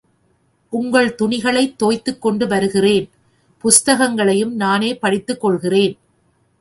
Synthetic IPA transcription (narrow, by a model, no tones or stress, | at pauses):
ʔʊŋɡɐɭt̪ʊɳɪɣɐɭɐɪt̪ːoːjt̪ːɯkːɔɳɖɯʋɐɾɯɣɪreːn | pʊst̪ɐɣɐŋɡɐɭɐjɯmnaːneːpɐɽɪt̪ːɯkːɔɭɣɪreːn